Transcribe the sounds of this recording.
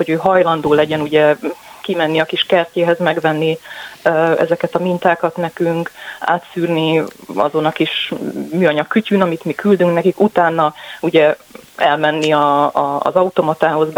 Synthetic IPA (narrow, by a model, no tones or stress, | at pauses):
ho̞ɟøːɦɒjlɒnd̪oːlɛɟɛnuɟɛkimɛnːiɒkiʃkɛrceːɦɛzmɛɡʋɛnːi | ɛ̰zɛkɛt̪ɒmint̪aːkɒt̪nɛkyŋka̰ːt̪syːrniɒ̰zo̞nɒkiʃmyːɒɲɒkːycynɒmit̪mikyld̪yŋknɛkikut̪aːnːɒuɟɛɛ̰lmɛnːiɒ̰ːzɒut̪o̞mɒt̪aːɦo̞z